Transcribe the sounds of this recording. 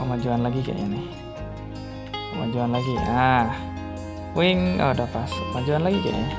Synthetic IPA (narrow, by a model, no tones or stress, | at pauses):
kəmad͡ʒuanlaɡika̰ʔja̰nɪh | kəma̰d͡ʒuanlaɡiah | poiŋɔ̰dapasəmad͡ʒuanlaɡika̰ʔja̰